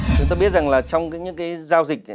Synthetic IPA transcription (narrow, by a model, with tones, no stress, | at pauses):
t͡ɕʊ˨˦ŋ͡mt̪aː˧ɓi˦˥ət̚za˨˩ŋlaː˨˩t͡ɕɔ˧wŋ͡mkaː˨˦jɲɨ̰˧˥ŋkaː˨˦jzaː˧wzï˨˩k̚